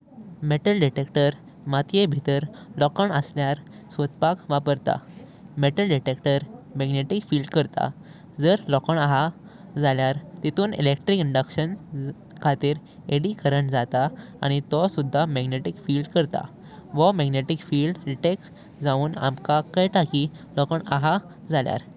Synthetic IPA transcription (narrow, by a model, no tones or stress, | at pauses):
meʈəlɖiʈekʈəɾ | mat̪jebʱit̪əɾlɔkəɳəsljaɾsot̪̚pakʋapəɾt̪a̰ | meʈəlɖiʈekʈəɾmɛɡneʈikfiːlɖkəɾt̪a̰ | d͡zəɾlɔkəɳaɦa | d͡zaljaɾt̪it̪ʰuːnḭlek̚ʈɾikiɳɖəkɕən | kʰat̪iːɾ | eɽikəɾəɳd͡zat̪aa̰ɽ̃it̪ɔsud̪ʱːamɛɡneʈikfiːlɖkəɾt̪a̰ | ʋəmɛɡneʈikfiːlɖɖiʈek | d͡zauːna̰mkakajʈakiː | lɔkəɳaɦa | d͡zalja̰ɾ